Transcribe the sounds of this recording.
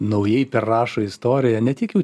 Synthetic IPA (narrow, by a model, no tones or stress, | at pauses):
nɐʊjɛɪpʲɛrrɑːʃoɪst̪oːɾʲɪjɛnʲɛt̪ʲiɛkjɛʊ